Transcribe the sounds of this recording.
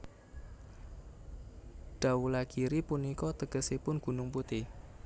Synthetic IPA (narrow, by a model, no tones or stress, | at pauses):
ɖ̥a̤ulaɡ̥iɾipunikɔt̪əɡ̥əsepʊnɡ̥unʊŋput̪i